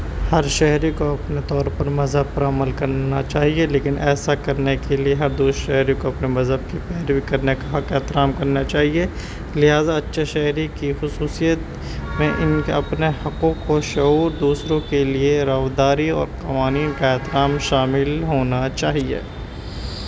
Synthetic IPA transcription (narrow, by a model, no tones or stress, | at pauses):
hɐɾʃɛɦɾikoɐpnet̪ɔːɾpɐɾmɐzɦəb̚pɐɾaməlkɐɾnat͡ʃaːɦieleːkɪnʔɛːsakɐɾnekelieɦɐɾd̪uːsʃɛɦɾikoɐpnemɐzɦəb̚kipɛːɾbʱikɐɾnekaɦɐkɛːt̪ɪɾaːmkɐɾnat͡ʃaːɦie | lɪɦaːzaɐtːʃʰeʃɛɦɾikixʊsuːsijət̪ | mẽʔɪnkɐpnehɐqõkoʃɐɦuːɾd̪uːsɾõkelieɾaːʋd̪aːɾiɔːɾqɐʋaːniːnkaɛːt̪ɪɾaːmʃaːmɪlɦoːnat͡ʃaːɦiḛː